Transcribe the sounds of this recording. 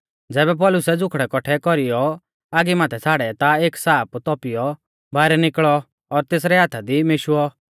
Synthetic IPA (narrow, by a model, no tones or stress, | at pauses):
d͡zɛːbɛp̬ɔlʊsɛd͡zʊkʰɽɛkɔʈʰɛkɔɾijɔ | aːɡimaːt̪ʰɛt͡sʰaːɽɛt̪aeːksaːpt̪ɔpijɔ | bʱaːɪɾɛnɪkɭɔ | ɔɾt̪eːs̬ɾɛɦaːt̪ʰad̪imeʃuɔ